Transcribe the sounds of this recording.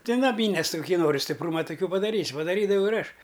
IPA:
tʲɪ nɐˈmʲiːnʲeːs tʲɪ kʊˈkʲiː ˈnoːrʲɪ sʲtʲɪpˈruːmɐ tʊˈkʲuː pɐdɐˈrʲiːsʲ pɐdɐˈrʲiːdɐʋɐʊ ɪr ˈɐʃ

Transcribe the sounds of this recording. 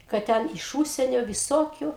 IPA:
kɐt ˈtʲɛn ɪʃ ˈuːʃʲsʲiɛnʲoː ʋʲɪˈsoːkʲʊ

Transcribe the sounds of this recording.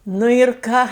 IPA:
nʊ ɪr ˈkɑː

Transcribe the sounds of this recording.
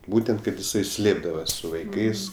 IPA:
ˈbuːtʲɛnt kɐt jɪˈsɐɪ ˈsʲlʲeːbdɐʋɐs sʊ ʋɐɪˈkɐɪs

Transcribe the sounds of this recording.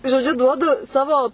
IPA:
ʒoːˈd͡ʒʲʊ ˈduɔdʊ ˈsɑːʋoː

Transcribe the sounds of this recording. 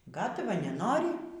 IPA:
ˈɡɑːtɐʋɐ nʲɛˈnoːrʲɪ

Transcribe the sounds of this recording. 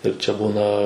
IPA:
ɪr t͡ʃʲɛ ˈbuːnɐ

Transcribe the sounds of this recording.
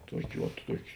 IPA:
ˈtuɔkʲeː ʋɐt ˈtuɔkʲeː

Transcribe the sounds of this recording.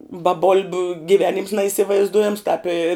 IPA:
bɐ ˈboːlʲbʲʊ ɡʲɪˈʋʲæːnʲɪms nɐiːsʲɪʋɐɪzˈduɔjɛms tɑːp ɪ

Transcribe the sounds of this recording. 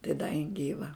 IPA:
tɐɪ dɐ jɪn ˈɡʲiːʋɐ

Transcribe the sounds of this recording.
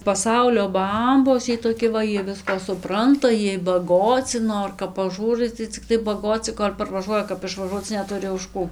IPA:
pɐˈsɐʊlʲoː ˈbɐmboːs ˈjiɛj toːˈkʲɪ ʋɐ ˈjiɛ ˈʋʲɪskɑː sʊˈprɐntɐ ˈjiɛj bɐˈɡoːt͡sʲɪ ˈnoːr kɐp pɐˈʒuːrɐɪ tɐɪ t͡sʲɪkˈtɐɪ bɐˈɡoːt͡sʲɪ koːlʲ pɐrʋɐˈʒuɔjɛ kɐp ɪʃʋɐˈʒuɔt͡s nʲɛˈtʊrʲɪ ʊʃ ˈkuː

